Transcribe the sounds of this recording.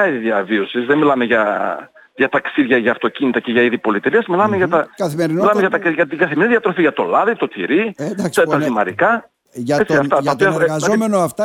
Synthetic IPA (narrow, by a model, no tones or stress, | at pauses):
ɐiðiðiɐvio̞sizðemilɐme̞ʝɐ | ʝɐt̪ɐksiðʝɐʝɐːft̪o̞cinit̪ɐce̞ʝɐiðipo̞lit̪eliɐsmilɐmeʝɐt̪ɐɐθimeɾimilɐmeʝɐt̪ɐʝɐt̪iɡɐθimeniðiɐt̪ɾo̞fiʝɐt̪o̞lɐðit̪o̞t̪ḭɾiet̪ɐsimɐ̰ɾḭkɐ | et͡ssiɐft̪ɐɐp̪iɐzomenoɐft̪ɐ